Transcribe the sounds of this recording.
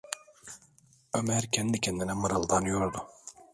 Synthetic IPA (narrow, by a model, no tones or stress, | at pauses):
ømæɾcʰɛnd̪icʲʰɛnd̪inɛmaɾalˠd̪anɯjoɾd̪ʊ